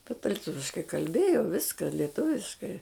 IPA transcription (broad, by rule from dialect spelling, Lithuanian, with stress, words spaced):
tʲɛtɐ lʲɪˈtʊʋʲɪʃkɐɪ kɐlʲˈbʲeːjoː ˈʋʲɪskɐ lʲɛˈtʊʋʲɪʃkɐɪ